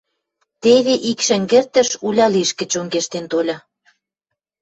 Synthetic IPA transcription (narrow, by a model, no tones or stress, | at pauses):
t̪eβeʔikʃə̆ŋɡert̪ə̆ʃulʲɑliʃkə̆t͡ɕoŋɡeʃt̪ent̪olʲɑ